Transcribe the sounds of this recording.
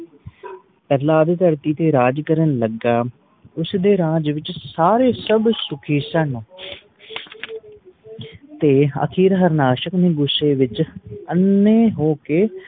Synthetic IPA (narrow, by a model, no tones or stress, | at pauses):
pɛːlaːd̪d̪əɾt̪iːt̪eːɾaːd͡ʒkəɾənləɡaː | ʊsd̪eːɾãːd͡ʒʋɪt͡ʃsaːɾeːsəbsʊkʰiːsən | t̪eːə̰kʰiːɾɦəɾnaːʃəkneːɡʊsːeːʋɪt͡ʃənːeːɦoːkeː